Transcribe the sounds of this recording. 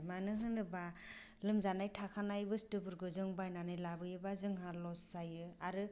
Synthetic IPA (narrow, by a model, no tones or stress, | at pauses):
manɯɦɯnɯba | lɯmzanajtʰakʰanajbɯstɯbɯɾɡɯzɯŋbajnanɯjlabɯjɯbazɯŋɦalɔssajɯaɾɯ